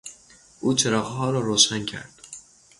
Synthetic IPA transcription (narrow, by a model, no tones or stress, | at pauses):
ʔuːt͡ʃʰeɾɒːɣɦɒːɾɒːɾoːʃæncʰæ̰ɾd̪̥